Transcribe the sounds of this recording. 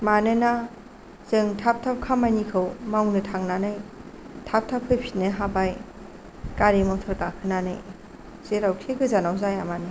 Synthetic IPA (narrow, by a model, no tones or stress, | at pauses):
manɯna | zɯŋtʰap̚tʰap̚kʰamajnikʰɯwmawnɯtʰaŋnanaj | tʰap̚tʰap̚kʰɯjpʰit̚nɯɦabaj | kaɾimawtʰɔɾkakʰɯnanɯ̰j | zeɾawkʰekʰɯzanawzajamanɯ